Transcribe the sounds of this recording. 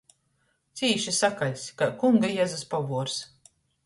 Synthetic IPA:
t̪siːʃisakalʲskakuŋɡajazaspavuɔɾs

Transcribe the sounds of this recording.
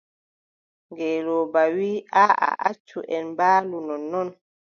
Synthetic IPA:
ŋɡɛːlɔbawiːʔaa̰ʔat͡ʃːuʔɛnbaːlunɔnːɔn

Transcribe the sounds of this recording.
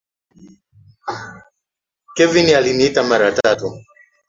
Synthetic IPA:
kɛvinialiniitamaɾatatu

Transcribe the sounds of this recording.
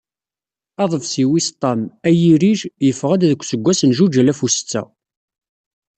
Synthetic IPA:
ɑðˤəvsiwist̪ˤːɑmæjiɾiʒjəfʁæd̪æðəkʷːsəɡʷːæsənʒud͡ʒælæfust͡sːæ̰

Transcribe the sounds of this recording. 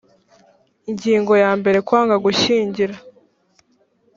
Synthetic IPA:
iɲɟiːŋɡo̞jaːmbe̞ɾe̞kwaːŋɡaɡuʃiːɲɟiɾa

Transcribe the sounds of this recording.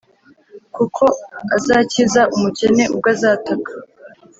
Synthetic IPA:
kukʰo̞azaːcizaʔumuce̞ne̞ʔub̚ɡazaːtakʰḁ

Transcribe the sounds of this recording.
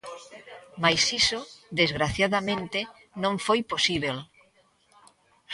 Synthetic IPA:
majsisod̪ezɣɾaθjaðamẽnt̪e | nõɱfojposiβel

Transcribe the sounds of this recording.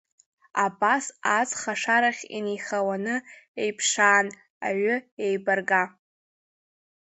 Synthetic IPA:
abasat͡sʼχaʂaɾaχʲḭnijχawanɨejpʰʂaːn | a̰ɥʊejbarɡa

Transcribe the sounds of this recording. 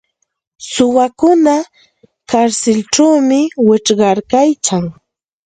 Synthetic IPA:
sʊwakʊna | kaɾsɪlʈ͡ʂt͡ʃawmɪwɪʈ͡ʂɢɑɾkajt͡ʃaŋ

